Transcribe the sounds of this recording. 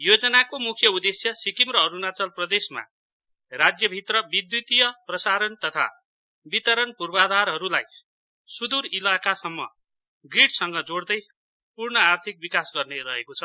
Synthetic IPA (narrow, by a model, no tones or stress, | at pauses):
jod͡zʌnakomukʰjʌud̪esjʌsikimrʌɦʌɾunat͡sʌlprʌd̪esma̰ | rad͡zjʌbʱit̪rʌbid̪jut̪ijʌprʌsaɾʌnt̪ʌt̪ʰa̰ | bit̪ʌɾʌnpurbad̪ʱaɾɦʌɾulaj | sud̪uɾilakasʌmːʌ̰ | ɡriʈsʌŋɡʌd͡zoɽd̪ʌj | purnʌart̪ʰik̚bikasɡʌrneɾʌɦekot͡sʰʌ